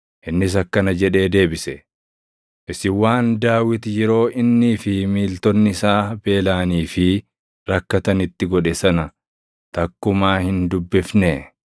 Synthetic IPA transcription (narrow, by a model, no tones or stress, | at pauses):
ʔɪnːɪs̬ɐkːɐnɐd͡ʒɛᶑe̞ːd̪e̞ːbɪsɛ | ʔɪsɪwaːnd̪aːwɪt̪jɛɾo̞ːʔɪnːifɪmiːlt̪ɔnːɪɪsaːbe̞ːlaːniːfɪ | ɾɐkːɐt̪ɐnɪt̪ːɪɡɔᶑɛsɐnɐ | t̪ɐkːʊmaːhɪnd̪ʊbːɪfneː